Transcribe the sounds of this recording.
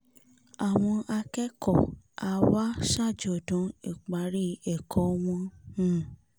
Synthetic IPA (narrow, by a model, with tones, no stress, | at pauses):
a˨w̃ɔ̃˧ʔa˧kɛ˦kɔ̰˦˨a˧wa˦ʃa˦˨d͡ʒɔ˨dɔ̃˨˦ḭ˨k͡pa˨˦ɾi˦ɛ˨kʰɔ˨˦w̃ɔ̃˧ũ˨